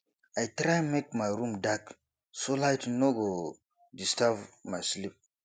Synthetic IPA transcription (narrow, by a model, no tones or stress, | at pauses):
ajtɾajmekmajɾũmdak | solajtnoɡo | distavmajslip̚